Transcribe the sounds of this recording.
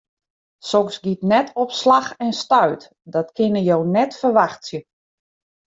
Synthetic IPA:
sɔksɡitnɛtʰɔpslaxɛnstœɥt | dɔtkʰɪnəjownɛtfərʋaxtsjə

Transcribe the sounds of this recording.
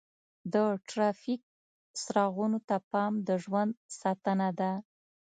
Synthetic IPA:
d̪əʈɾɑfik̚ | sɾɑɣunot̪apɑmd̪əʒwand̪sɑt̪ənad̪a

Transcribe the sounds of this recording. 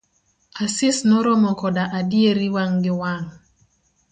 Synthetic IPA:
asɪsnoɾɔmɔkɔdaʔadjeɾiwaŋɡɪwaŋ

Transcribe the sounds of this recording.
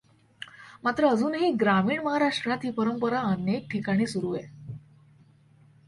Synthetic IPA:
mat̪ɾəːd͡zuːnɦiːɡɾamiːɳməɦaɾaʂʈɾat̪ʰiːpəɾəmpəɾaənek̚ʈʰikaɽ̃iːsuɾuːje

